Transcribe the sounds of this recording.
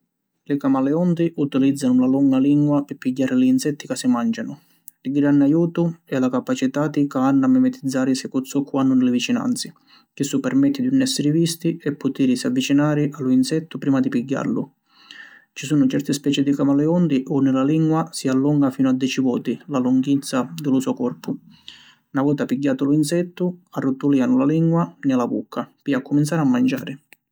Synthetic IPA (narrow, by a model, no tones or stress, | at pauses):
lɪkamalɛɔnt̪iʔut̪ilid̪zːanʊlaluŋɡaliŋɡwapɪpːiɟːaːɾɪliːnsɛt̪ːikasːɪmand͡ʒanʊ | liɡɾanːajuːt̪ʊɛlakapat͡ʃit̪ad̪ikaanːamːɛmɛt̪id̪zːaːɾɪsɛkut̪sɔkʰːwanːʊnɪlɪvit͡ʃina̰nt̪sɪ | k̟ɪsːupːɛrmɛt̪ːɪd̪iunːɛsːɪɾɪvist̪iɛpːʊt̪iːɾɪsavːit͡ʃinaːɾɪʔalːuinsɛt̪ːʊpɾiːmad̪ipiɟːa̰rlʊ̰ | t͡ʃisuːnʊt͡ʃɛrt̪ɪspɛːt͡ʃɪd̪ikamalɛɔnd̪iʔɔnːɪlaliŋɡwasialːuŋɡafiːnʊad̪ːjɛːt͡ʃivɔːt̪ilaluŋɡit̪sːad̪ɪlʊsuɔkɔrpʊ | navɔːt̪apiɡːaːt̪ʊluinsɛt̪ːʊarːut̪ːuliːanʊlaliŋɡwanɪlabṵkʰːapiakːʊminsaːɾɪamːand͡ʒa̰ːɾɪ